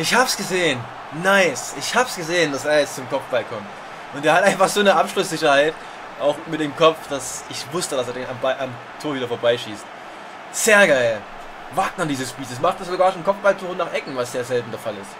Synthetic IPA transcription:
ʔɪçhaːbəsɡ̥əzeːən | naɪsɪçhaːbəsɡ̥əzeːəndaseːɐjɛt͡st͡sʊmkʰɔpp͡ffb̥alkʰɔmt | ʔʊntdeːɐhatʔaɪnfaχz̥oːnəʔapʃlʊsz̥ɪçɐhaɪt | ʔaʊxmɪtd̥eːmkʰɔpp͡fd̥asɪçvʊstəɾas̬eɐdeːnambaɪʔam | tʰoːɐviːdɐfoːɐbaɪʃiːst | z̥eːɐɡaɪl | vaɐt̚nad̥iːzəsb̥iːtəsmaχtsz̥oɡaːɐʃonkʰɔp͡fb̥altʰuːχʊnaːχʔɛkŋ̩vasz̥eːɐzɛltn̩dɛɐfalɪst

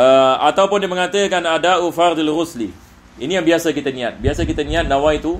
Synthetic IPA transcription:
əat̪awpʊndiəməŋat̪əkanadaufard̪ilrusli | inijaŋbiasakit̪ənĩat̪̚biasakit̪ənĩat̪̚nãwait̪u

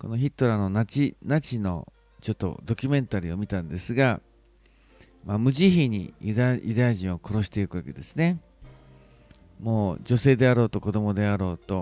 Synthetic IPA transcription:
ko̞no̞çit̪ːo̞ɾano̞nat͡ɕinat͡ɕino̞̰ | t͡ɕo̞t̪ːo̞̰d̪o̞kʲɨmẽ̞nt̪aɾʲio̞mʲit̪ãnd̪e̞sɨɡa | mamɯ̟ʑiçiɲ̟ḭjjɯd̪ajaʑĩɰ̃o̞ko̞ɾo̞ɕi̥t̪e̞ikɯ̟ake̞d̪e̞sɨne̞ | mo̞ːd͡ʑo̞se̞ːd̪e̞aɾo̞ːt̪o̞ko̞d̪o̞mo̞d̪e̞aɾo̞ːt̪o̞

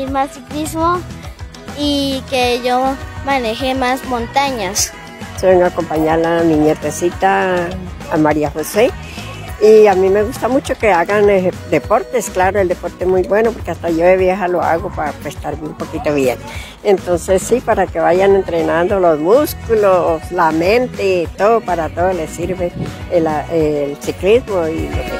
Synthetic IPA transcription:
massiklismo | ikejomanexemasmont̪aɲas | soŋakompaɲalamiɲeɾt̪esit̪a | amaɾiaxose | iamimeɣust̪amut͡ʃokeaɣaned̪epoɾt̪esklaɾoeld̪epoɾt̪emujbwenopoɾkeast̪aʝoeβjexaloa̰ɣopaapest̪aɾbumpokit̪oβjen | ent̪onsesːipaɾakeβajanent̪ɾenand̪olosmuskuloslament̪et̪oðopaɾat̪oðolesiɾβelaelsiklismoiloke

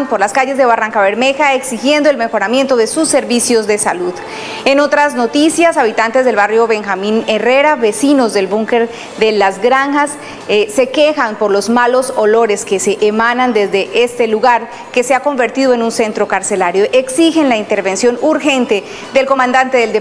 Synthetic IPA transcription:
npo̞ɾlaskaʝe̞zd̪eβaraŋkaβe̞ɾme̞xaeksixje̞nd̪oelme̞xo̞ɾamje̞nt̪oðe̞susːe̞ɾβisjo̞zd̪e̞saluð | e̞no̞t̪ɾazno̞t̪isjasaβit̪ant̪e̞zðe̞lβarjo̞βe̞ŋxamĩne̞re̞ɾaβe̞sino̞zðe̞lbuŋke̞ɾ | ðe̞lazɡɾaŋxasː | e̞ke̞xampo̞ɾlo̞zmalo̞so̞lo̞ɾe̞ske̞se̞ʔːmanand̪e̞zd̪e̞ʔe̞st̪e̞luɣaɾ | ke̞se̞ako̞mbe̞ɾt̪iðoe̞nunse̞nt̪ɾo̞kaɾse̞laɾjo̞ʔe̞ksixe̞nlaint̪e̞ɾβe̞nsjo̞nuɾxe̞nt̪e̞ | d̪e̞lko̞mãnd̪ant̪e̞ðeld̪e

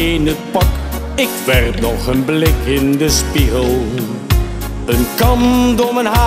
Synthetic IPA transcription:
nət̚pɑk | ɪkʋɛrtnɔχənblɪkɪndəspiɣəlˠ | ənkɑmdɔmənɦa

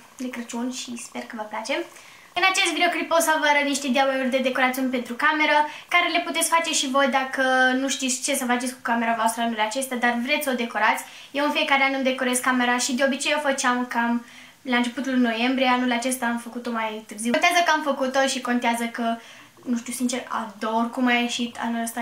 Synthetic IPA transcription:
lekɾət͡ʃunʲʃispe̞rkəvəplat͡ʃe̞m | ɨnat͡ʃe̞st̪vid̪eokliposavəɾəniʃt̪e̞d̪iabojurʲd̪e̞d̪e̞ko̞ɾat̪siunʲpe̞nt̪ɾukame̞ɾəkaɾe̞le̞put̪e̞t̪sʲfat͡ʃe̞ʃivo̞jd̪akənuʃt̪it̪sʲt͡ʃe̞səfat͡ʃesʲku̥kame̞ɾavoast̪ɾəanulat͡ʃe̞st̪ad̪arvɾe̞t̪ssod̪e̞ko̞ɾat̪sʲ | jewɨnfie̞kaɾeanumd̪e̞ko̞ɾe̞skːame̞ɾaʃid̪eo̞bit͡ʃe̞jofət͡ʃeamkam | laɨnt͡ʃe̞put̪ulɨno̞je̞mbɾieanulat͡ʃe̞st̪aːmfəkut̪o̞majt̪ɨrzint̪eazəkəamfəkut̪o̞ʃiko̞nt̪eazəkə | nuʃt̪iuwsint͡ʃe̞ra̰d̪orkumajeʃit̪a̰nuləst̪a

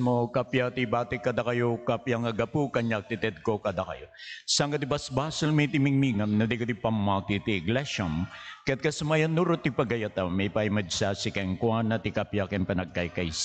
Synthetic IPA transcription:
mokɐpjat̪ibat̪ɪkːɐd̪akɐjokɐpjaŋɐɡɐpukɐɲak̚t̪it̪ɛd̪̚kokɐd̪akɐ̰josɐŋɡɐt̪ibɐsbaːsɐlmit̪imiŋmiŋɐmnɐd̪ikot̪ipɐmːat̪it̪iɡlɛʃɐmkɐjɐt̪̚kɐsɐmajɐnːuɾot̪ipɐɡɐjat̪ɐmɛjpajmɐd͡ʒsasikɐŋkwanɐt̪ikɐpjakɐnpɐnɐɡ̚ɐjkɐjs

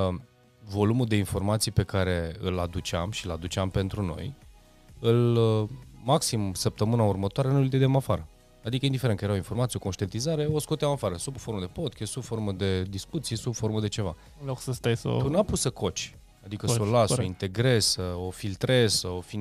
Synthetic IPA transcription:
vo̞lumuld̪e̞info̞rmat̪sijpe̞kaɾe̞ɨlad̪ut͡ʃeamʃiɨlad̪ut͡ʃampe̞nt̪ɾuno̞̰j | ɨl | maksimsəp̚t̪əmɨnaurmət̪oaɾenujild̪ed̪amafaɾə | ad̪ikəjind̪ifeɾenkəjeɾawinfo̞rmat̪io̞ko̞nʃt̪ient̪izaɾe̞osko̞t̪eamafaɾəsubfo̞ɾməd̪e̞po̞d̪̚kʰʲest̪subfo̞ɾməd̪e̞d̪iskut̪sijesubfo̞ɾməd̪e̞t͡ʃe̞va̰ | loksəst̪ajso̰t̪unapusəkʰo̞t͡ʃʲ | ad̪ikəolasoint̪e̞ɡɾe̞z̥səofilt̪ɾez̥səofin

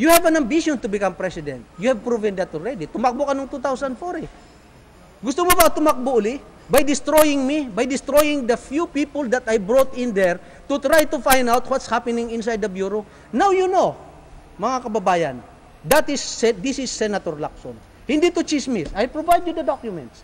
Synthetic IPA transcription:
juhɛvɐ̃nɐ̃mbiʃɔ̃nt̪ʊbɪkãmpɹɛsɪd̪ɛ̰̃nt̪̚jʊhɛvpɹuvɛ̃nd̪ɐt̪ɔlɹɛd̪it̪ʊmak̚bokɐnoŋt̪ut̪awsɐnd̪fɔɾi | ɡʊst̪omobɐt̪ʊmak̚boʔʊli | bajd̪ɪst̪ɾojɪŋmibajd̪ɪst̪ɾojɪ̃ŋd̪ɐfjupipold̪ɐt̪ajbɹot̪ɪ̃nd̪ɛɹ | t̪ʊt̪ɾajt̪ʊfãjnd̪awt̪wɔt̪shapɛnɪ̃ŋɪ̃ns̬ajd̪ɐbjuɾo | nawjuno | mɐŋakɐbɐbaːjɐ̰n | d̪ɐt̪ɪsɛd̪isɪsːɛnat̪ɔɹlak̚sõ̰n | hɪ̃nd̪it̪ʊt͡ʃismɪsajpɹovajd̪jud̪ɐd̪ɔkjʊmɛ̰̃nt̪s

